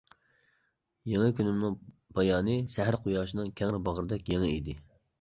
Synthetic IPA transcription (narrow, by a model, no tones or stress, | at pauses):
jeŋɨkʲʰynɪmnɨŋ | bɑjɑːnɨsɛɦɾqʰʊjɑːʃinɨŋkʲʰɛŋɾɪbɑʁəɾɨd̪ɛkʲjeŋɨid̪ɪ